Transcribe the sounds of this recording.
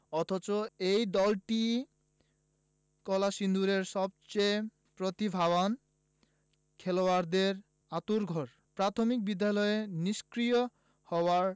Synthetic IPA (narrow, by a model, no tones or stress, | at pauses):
ɔt̪ʰot͡ɕoejd̪ɔlʈi | kɔlaʃind̪uɾeɾʃɔb̚t͡ɕej | pɾot̪ibʱaβan | kʰeloaɾd̪eɾ | at̪uɾɡʱɔɾ | pɾat̪ʰomik̚bid̪ːalɔeeniʃkɾijo | hɔoaɾ